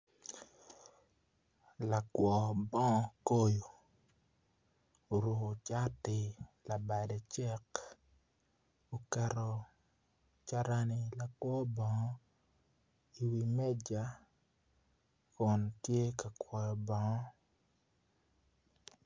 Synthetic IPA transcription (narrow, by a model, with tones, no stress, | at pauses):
la˨kwɔ˨bɔ˦ŋɔ˦ko˦jo˨ | o˨ɾu˨ko˨t͡ʃa˦tɪ˨la˨ba˨de˨t͡ʃɛ˦k | o˨kɛ˨ɾɔ˨ | t͡ʃa˦ɾa˦nɪ˨la˨kwɔ˦bɔ˨ŋɔ˦ | i˨wi˨mɛ˦d͡ʒa˨ | kʊ˨ntje˦ka˨kwɔ˨jɔ˨bɔ˨ŋɔ˦